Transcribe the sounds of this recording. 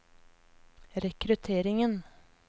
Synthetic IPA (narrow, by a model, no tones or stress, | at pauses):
ɾɛkɾʉt̪ʰeːɾɪŋən